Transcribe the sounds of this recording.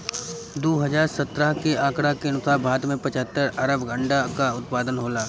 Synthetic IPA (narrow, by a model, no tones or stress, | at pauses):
d̪oːɦəd͡ʒaːɾsət̪ɾəɦkeãːkɽakeɐnʊsaːbʱaːd̪mẽpɐt͡ʃəɦət̪ːəɾɐɾəbɡə̃ɳɖakaʊt̪̚paːd̪ənɦoːlaː